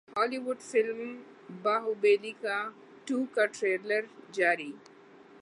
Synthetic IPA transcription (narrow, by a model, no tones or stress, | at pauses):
hɔːliwʊɖfɪlm | baːɦubeːlika | ʈuːkaʈɾeːləɾd͡ʒaːɾiː